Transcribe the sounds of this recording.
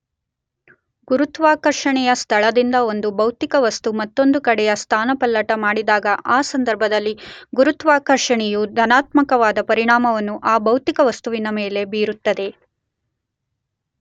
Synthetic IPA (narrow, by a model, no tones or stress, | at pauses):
ɡuɾut̪ʋaːkɐɾʂɐɳɛjɐst̪ʰɐɭɐd̪ind̪ɐo̞nd̪ubɐwt̪ikɐʋɐst̪umɐt̪ːo̞nd̪ukɐɽɛjɐst̪ʰaːnɐpɐlːɐʈɐmaːɽid̪aːɡɐʔaːsɐnd̪ɐɾbʱɐd̪ɐlːiɡuɾut̪ʋaːkɐɾʂɐɳɛjud̪ʱɐnaːt̪mɐkɐʋaːd̪ɐpɐɾiɳaːmɐʋɐnːuʔaːbɐwt̪ikɐʋɐst̪uʋinɐmeːle̞biːɾut̪ːɐd̪e̞